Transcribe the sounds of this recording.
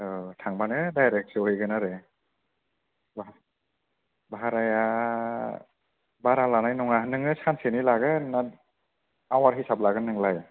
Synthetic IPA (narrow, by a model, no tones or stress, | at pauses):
ɯtʰaŋbanɯdajɾek̚sɯɯjɡɯnaɾɯ | b | baaɾaja | baɾalanajnɔŋaɦnɯŋɯsansenilaɡɯna | awaɾɦisap̚laɡɯnɯŋlaj